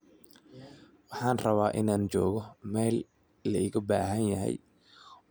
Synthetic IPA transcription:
wɑħɑːnrɐβaːʔɪnaːnt͡ʃɔːɣɔmɛːlː | ɐɪɣɐbaːɦɐnjɐɦɛ̰j

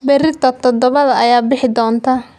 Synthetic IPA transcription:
bɛɾɪt̪ʰɐt̪ʰɔd̪ɔβɐðɐɐjaːbɪħɪd̪ɔːnt̪ʰaː

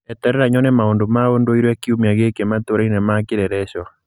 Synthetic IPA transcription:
ɛt̪ɛɾɛɾaɲɔnɛmaondomaondoiɾwɛkiumiaɣekemat̪oɾainɛmakɪɾɛɾɛʃwa

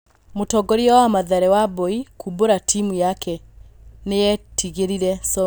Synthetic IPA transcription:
motɔɡɔɾiɔwamaðɛɾɛwabɔikʰuboɾatʰimujakɛnejɛtiɣeɾiɾɛsɔ

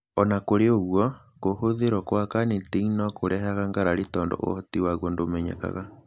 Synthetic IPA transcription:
ɔnakoɾeoɣwɔ | kohoðeɾwɔkwakanetiinɔkoɾɛɦaɣaŋɡaɾaɾetɔːndɔ̰ʔo̰hɔtiwaɣondomɛɲɛ̰ka̰ɣa

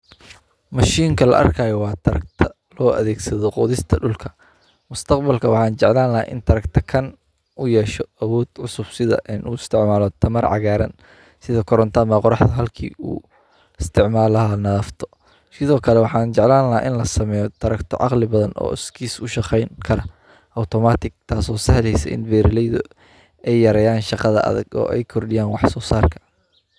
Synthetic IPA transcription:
mɐʃiːŋkʰɐlɐ̰ʔɐ̰rkʰaːjwɑːt̪ʰɐɾɐ̰k̚t̪ʰɐ | lɔːʔɐ̰ðɛːɡsɐðɔqɔ̰ːðɪst̪ʰɐɖʊlkʰɐ̥ | mʊst̪ʰɐqbɐlkʰɐwɑħɑːnt͡ʃɛʕlaːnlɐɦa̰ʔɪ̰nt̪ʰɐɾɐkt̪ʰɐkʰɐn | ʔʊjɛːʃɔɐwɔːd̪̥ʕʊsʊb̥sɪðɐ̰ʔɪnʔṵːɪst̪ʰɪʕmaːlɔt̪ʰɐmɐrʕɑ̰ɣaːɾɐ̰n | sɪðɐkʰɔɾɔnt̪ʰɐmaːqɔɾɑħd̪ɐɦɐlkʰḭːṵː | ɪst̪ʰɪʕmaːlɐɦɐnɐðɐft̪ʰɔ̥ | sɪðɔːkʰɐlɛwɑħɑːnt͡ʃɛʕlaːnlːɐaːʔɪnlɐsɐmɛːjɔd̪̥ɐɾɐkt̪ʰɔ̰ʕɑ̰qlɪbɐðɐnɔ̰ːɪskʰiːsʊʃɑqɛjŋkʰɐɾɐ | ʔɐt̪ʰɔmaːt̪ʰɪɡ̚t̪ʰaːsɔːsɐhlɛjsɐ̰ʔɪ̰nbɛːɾɪlɛjðʊ | ɛjːɐɾɛːjaːnʃɑqɑðɐʔɐ̰ðɐ̰ɡɔ̰ːʔɛ̰jkʰɔrɖɪjaːnwɑħsɔːsaːrkʰɐ̥

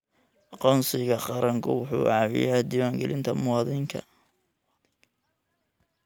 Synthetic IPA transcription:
ʔɑqɔːnsɪɣɐqɑɾɐŋkʰʊwʊħṵːʔɑβɪ̰jaːd̪iːwaːŋɡɛlɪnt̪ʰɐmʊwɑːðɪŋkʰɐ̰

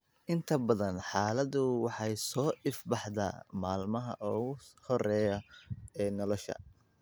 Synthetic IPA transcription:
ʔɪnt̪ʰɐbɐðɐnħɑːlɐðʊwɑħɑjsɔːʔɪfbɑħda̰ːmaːlmɐɦɐ̰ʔɔːɣʊhɔrɛːjɐɛːnɔlɔʃɐ̰

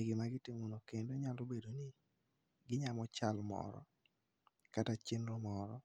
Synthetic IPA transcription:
ɪɡɪmaɡɪtɪmonokendoɲalobedonɪ | ɡɪɲamɔt͡ʃalmɔ̰ɾɔ̰ | katat͡ʃɪnɾomɔɾɔ

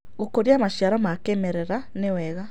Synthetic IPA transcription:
ɣokoɾiamaʃjaɾɔmakemɛɾɛɾanewɛːɣa

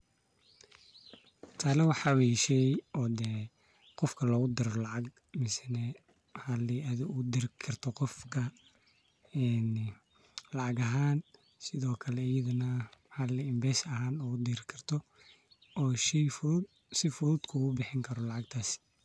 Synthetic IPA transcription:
t̪ʰaːlɐwɑħɑwiʃɛjʔɔd̪ɛ | qɔfkʰɐlɔːɣʊd̪ɪɾɔlɑʕɑɡ | mɪsɛnɛ | hɐlːɪʔɐðɪʔʊd̪ɪɾkʰɐrt̪ʰɔqɔfkʰɐ | ɛn | lɑʕɑɡɐɦaːn | sɪðɔːkʰɐlɛjɐðʊnɐhɐlɪɪmbɛːsɐɦaːnɔːʊd̪iːɾɪkʰɐrt̪ʰɔ | ɔːʃɛf | sɪfʊðuːd̪kʰʊʊbɪħɪŋkʰɐɾɔlɑʕɑɡ̚t̪ʰaːs

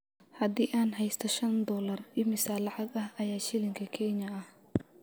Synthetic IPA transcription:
hɐd̪iːʔaːnɦɛjst̪ʰɔʃɐnd̪ɔːlɐrɪmɪsaːlɑʕɑɡɐhɐjaːʃɪlɪŋkʰɐkʰɛɲɐɐh

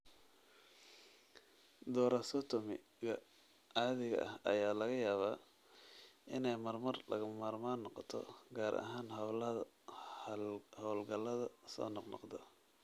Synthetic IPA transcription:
d̪ɔːɾɐsɔt̪ʰʊmɪ̰ | ɣɐ | aːðɪɣɐ̰ʔɐ̰hɐ̰jaːlɐɣɐjaːβaː | ʔɪnɛjmɐrmɐrlʔɐ̰ɣʊmaːrmaːnːɔqɔt̪ʰɔ̰ɡaːɾʔɐ̰ɦaːnɦɐwlɐðɐ | hɔːlɡɐlːɐðɐsɔ̰ːnɔqnɔ̰qd̪ɔ

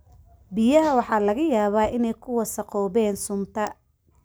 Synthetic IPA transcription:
bɪjɐɦɐwɑħɑːlɐɣɐjaːβaːʔɪnɛjkʰʊwɐsɐqɔːβɛːnsʊmt̪ʰɐ

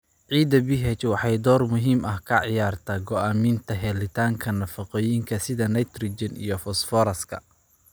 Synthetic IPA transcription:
ʕiːd̪ɐbɪɦɛt͡ʃwɑħɑjd̪ɔːrmʊɦiːmɐhkʰɐʕɪjaːrt̪ʰaːɡɔʔaːmiːnt̪ʰɐɦɛlɪt̪ʰaːŋkʰɐnɐfɑqɔːjɪŋkʰɐsɪðɐnɐjt̪rid͡ʒɐnḭjɔfɔsfɔːɾɐskʰɐ̰

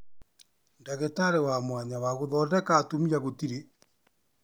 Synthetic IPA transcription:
ndaɣɛtaɾewamwaɲawaɣoðɔːdɛkaːtomiaɣotiɾe

